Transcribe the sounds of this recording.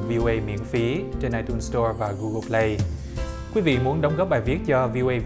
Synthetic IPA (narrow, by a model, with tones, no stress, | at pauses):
vi˧ʔo˧ʔə˧jmḭ˧˥ənfi˨˦t͡ɕe˧nʔaː˧jt̪u˧nstɔ˧ɹvaː˨˩ɣu˧ɣo˧ple˧j | kwi˨˦vḭ˧˨mu˨˦ənɗə˨˦wŋ͡mɣɔ˦˥p̚ɓaː˨˩jvi˦˥ət̚t͡ɕɔ˧vi˧ʔo˧ʔə˧j